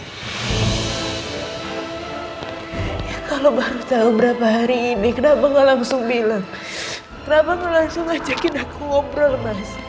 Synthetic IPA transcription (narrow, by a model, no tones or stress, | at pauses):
jakalobaɾut͡ʃaobəɾapaɦaɾiːnikənapaŋɡalaŋsʊŋbilaŋ | kənapaŋɡalaŋsʊŋːad͡ʒakɪnakuŋɔmɾɔlmas